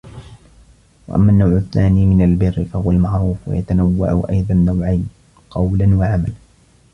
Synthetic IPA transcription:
wa̰ʔa̰mːaːnːawʕʊθːaːniːmɪnalbɪrːɪfahʊwalmaʕɾuːfwa̰jat̪anawːa̰ʕʊ̰ʔa̰jðˤɑnːawʕajn | qɑwlanwaʕamala

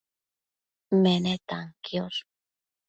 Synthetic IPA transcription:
menet̪aŋkjos

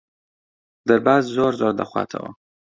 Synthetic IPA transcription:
d̪əɾbazzoɾzoɾd̪a̰xwɑ̰t̪ʰa̰wo̰

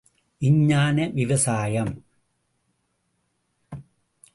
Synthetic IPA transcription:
ɪɲːaːnɐʋɪʋɐsaːjɐm

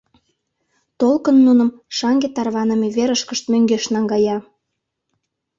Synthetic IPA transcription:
t̪olkənːunə̆mʃɑŋɡet̪ɑrβɑnə̆meβeɾəʃkəʃt̪møŋɡeʃnɑŋɡɑjɑ

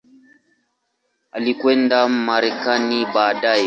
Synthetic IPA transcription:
a̰likwendammaɾekanibadaje

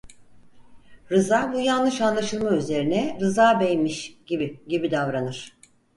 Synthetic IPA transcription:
ɾɯzaːbujanˠɯʃanlˠaʃɯlˠmayze̞ɾinɛɾɯzaːbejmiʃɟibiɟibid̪avɾanɯɾ̥

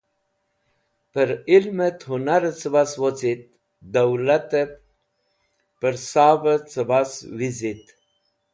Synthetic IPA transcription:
pəɾilmət̪ɦunaɾət͡səbaswot͡sit̪̚ | d̪əwlat̪əp | pəɾsabət͡səbaswizit̪

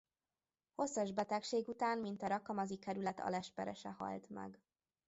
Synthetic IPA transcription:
ho̞sːɒʒbɛt̪ɛkʃeːɡut̪aːnmint̪ɒɾɒkɒmɒzikɛɾylɛt̪ɒ̰lɛʃpɛɾɛʃɛhɒ̰lt̪mɛ̰ɡ

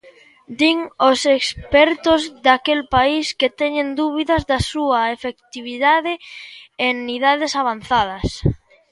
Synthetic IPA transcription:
d̪iŋosekspɛɾt̪ozðakelpaisket̪ɛɲend̪uβ̞iðɐzðɐsuɐefekt̪iβiðaðɪeniðaðesaβ̞an̟θað̞ɐs

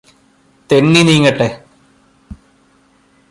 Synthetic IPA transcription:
t̪enːiniːŋːɐʈːe

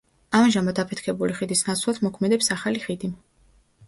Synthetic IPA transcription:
amʒamad̪apʰɛt̪ʰkʰɛbuliχid̪isnat̪sʰlˠad̪mɔkʰmɛd̪ɛpsaχaliχid̪im

